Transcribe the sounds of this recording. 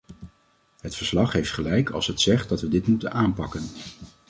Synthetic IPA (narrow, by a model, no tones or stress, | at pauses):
ɦətfəɹslɑχɦejftχəlɛjkʰɑ̰lˠsɦətsɛχt̚dɑtʋədɪtmutənʔaːnpɑkən